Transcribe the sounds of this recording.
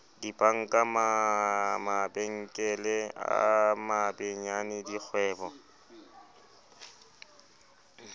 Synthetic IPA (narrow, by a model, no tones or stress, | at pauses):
dipʼaŋ̩kʼama | mabeŋ̩kʼɛlɛa̰mabeɲanɪdik͡xʰwɛːbɔ